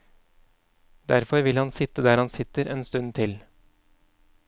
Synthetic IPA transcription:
d̪æɾfɔɾʋɪlhɑnsɪt̪əd̪æːɾhɑnsɪt̪əɾʔeːnst̪ʉnt̪ʰɪl

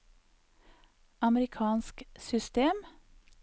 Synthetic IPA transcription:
ɑməɾɪkʰɑːnsksʏst̪eːm

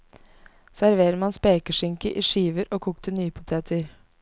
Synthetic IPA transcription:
sæɾʋeːɾəmɑnspeːkəʂɪŋkəʔiːʂiːʋəɾʔoːkʰuːkt̪ʰənyːəpʰʊt̪ʰeːt̪ʰəɾ

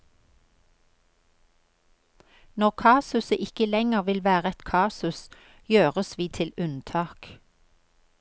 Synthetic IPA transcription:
nɔʁkʰɑːsʉsəʔɪkəlɛŋəʁʋɪlʋæːʁəɛt̪kʰɑːsʉs | jøːʁəsʋiːt̪ʰɪlʉnt̪ʰɑːk

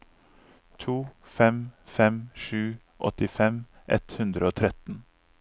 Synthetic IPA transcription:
t̪ʰuː | fɛmfɛmʃʉː | ʔɔ̰t̪ɪfɛm | ʔɛ̰t̪hʉnd̪ɾəoːt̪ʰɾɛt̪n̩

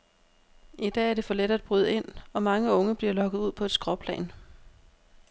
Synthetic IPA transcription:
id̥ɛ̰ːæɐd̥e̝fɒ̽leɾ̥ɐæd̥̚b̥ʁyðˠəe̝n̰ɒ̽mɑ̈ŋəɔ̽ŋəb̥liɐ̰lɒ̽ɡ̥ð̩ˠuð̞̰ˠpʰɒ̽e̝d̥sɡ̥ʁɒpʰlɛ̰ːn

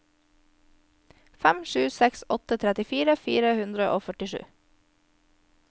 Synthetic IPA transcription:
fæmʃʉːsɛksɔt̪ət̪ʰɾɛt̪ɪfiːɾəfiːɾəhʉnd̪ɾəʔo̰ːfœʈɪʃʉ̰ː

